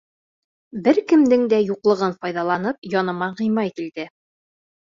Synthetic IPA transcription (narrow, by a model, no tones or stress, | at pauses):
bɘɾkɘ̆md̪ɘŋd̪æjuqlˠɤ̆ʁɤnfɒjðɑlˠɑnɤp̚jɒnɤ̆mɑʁɤ̆jmɑjkild̪̥ɘ